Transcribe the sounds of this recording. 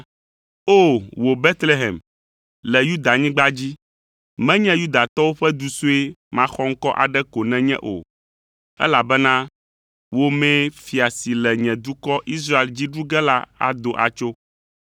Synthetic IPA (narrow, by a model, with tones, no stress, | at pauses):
o˦˨wo˨be˦t̪le˦ɦɛ˨m | lɛ˨ju˦d̪a˨ɲĩ˦ɡ͡ba˦d͡ʑi˦ | mɛ̃˦ɲɛ̃˦ju˦d̪a˨t̪ɔ˦wo˦ɸɛ˦d̪u˦su˦e˦mã˦xɔ˦ŋ̩˦kɔ˦ʔa̰˨ɖɛ˦ko˨nɛ̃˦ɲɛ̰̃˦ʔo̰˨ | ɛ̰˦la˨bɛ˦nã˦ | wo˦mɛ̃˦fi˨a˨si˨lɛ˨ɲɛ̃˨d̪u˦kɔ˦ʔi˦s̬ɾa˦e˨ld͡ʑi˦ɖu˦ɡɛ˦la˦a̰˨d̪o˨ʔa̰˨t͡ʃo˦